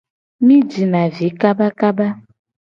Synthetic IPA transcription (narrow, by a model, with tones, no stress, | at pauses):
mĩ˦d͡ʒi˨nã˨vi˨˦ka˦ba˦ka˦ba˦